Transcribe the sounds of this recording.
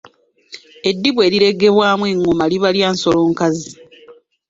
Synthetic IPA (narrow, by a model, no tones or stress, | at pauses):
e̞dːiβwe̞ːɾiɾe̞ɡe̞βwaːmweŋːomaliβaljaːnso̞loːŋkazi